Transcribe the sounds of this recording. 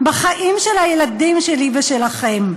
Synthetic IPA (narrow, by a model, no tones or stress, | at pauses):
baχaʔimʃelhajeladimʃeliveʃelaχe̞m